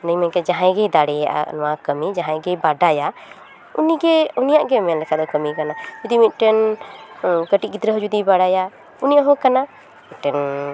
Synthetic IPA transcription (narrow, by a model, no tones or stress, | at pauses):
nəjmɛkɛd͡ʒaɦãjɡɛjd̪aɽɛja̰ʔa̰nɔwakəmid͡ʒãɦãjɡɛbaɖaja | uniɡɛunijaʔɡɛmɛlɛkʰad̪ɔkəmikanad͡ʒud̪imit̪̚ˀʈɛn | kəʈiʔ̚ɡit̪ɾəɦɔd͡ʒud̪ibaɽaja | unijaɦɔ̃kana | mit̪̚ʈɛn